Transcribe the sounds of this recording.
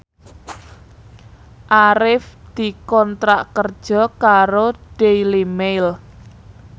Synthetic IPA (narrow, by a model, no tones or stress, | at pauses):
ʔaɾɪfd̪̥i̤kɔnt̪ɾaʔkərd̥ʒ̥ɔ̤kaɾoɖ̥ejlimejl